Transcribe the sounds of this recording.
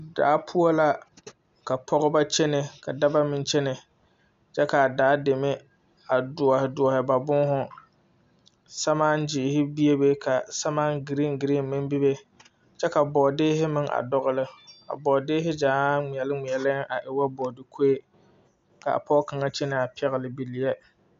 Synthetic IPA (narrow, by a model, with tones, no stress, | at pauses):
da̰ː˨˦pʰʊ˦o˦la˦ | ka˨pʰɔ˦ɣɪ˦ba˦t͡ʃɛ˦nɪ˨ka˨da˦ba˦mɪ˨nt͡ʃɛ˦nɪ˨ | t͡ʃɛ˦ka˨daː˨˦de˨mɪ˦ | a˨dʊ˨ɔ˨hɪ˨dʊ˨ɔ˨hɪ˨ba˨bʊ˦ŋ˦ɦʊ˦ | sa˦maː˦n˦d͡ʒɪ˨hɪ˦bi˦e˦be˦kʰa˨sa˦maː˦ŋɡi˨ɾɪ˦ŋɡi˨ɾi˦mɪ˦nbi˦be˦ | t͡ʃɛ˦ka˨bɔ˨dɪː˦ɦɪ˦mɪ˦ŋʔa̰˨dɔ˦ɣʊ˦lɪ˦a̰˨bɔ˨dɪː˦ɦɪ˦d͡ʒaː˨˦ŋi˨ɛ˨lɪ˦ŋi˨ɛ˨lɪ˦a˨ʔɪ˨wa˦bɔ˨dɪ˨kʰo˦e˦ | ka̰˨a̰˨pɔ˦ɡka˨ŋa˦t͡ʃɛ˦nɪ˨a˨pɛ˦ɣɪ˨lɪ˨bi˨lɪ˨jɛ˦